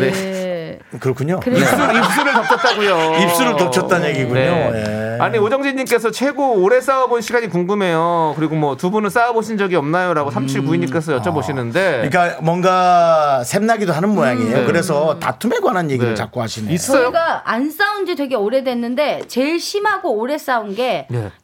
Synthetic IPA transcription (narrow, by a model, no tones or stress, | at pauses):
ne | kɯɾʌkʰuɲokɯɾis͈uɾip̚s͈uɾɯɭtʌk̚t͡ɕ͈ʰʌt̚t͈aɡujoip̚s͈uɾɯɭtopt͡ɕʰʌt͈anje̞ɡiɡune̞ojaɲiod͡ʑʌŋd͡ʑiɲːimk͈e̞sʰʌt͡ɕʰwe̞ɡoːɾe̞s͈aʌbonɕʰiɡaɲikuŋɡɯme̞jokɯɾiɡomwʌtubunɯns͈aʌboɕʰind͡ʑʌɡiʌmnajoɾaɡosʰamt͡ɕʰiɭkuiɲːimk͈e̞sʰʌjʌt͡ɕ͈ʰʌboɕʰinɯnde̞ikamwʌŋɡasʰemnaɡidoɦanɯnmojaŋiejoekɯɾe̞s̬ʰʌta̰tʰumeɡwanɦanje̞ɡit͡ɕak̚k͈oɦaɕʰinis͈ʌjoɡaans͈aund͡ʑitweɡeoɾe̞dwe̞nːɯnde̞t͡ɕe̞ɭɕʰimɦaɡoːɾe̞s͈aunɡe̞e